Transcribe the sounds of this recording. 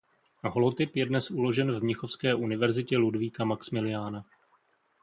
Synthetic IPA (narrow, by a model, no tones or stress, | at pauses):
ɦolot̪ɪpjɛdnɛsulo̞ʒɛnvmɲɪxo̞fskɛːʔunɪvɛɾzɪcɛludviːkamaksmɪlɪjaːna